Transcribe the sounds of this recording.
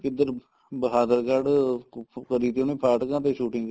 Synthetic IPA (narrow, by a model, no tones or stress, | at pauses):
kɪd̪əɾ | bəɦaːd̪əɾkaɖ | kəɾiːt̪oːnĩːpʰaːʈkãːt̪eːʃuːʈɪ̃ŋɡ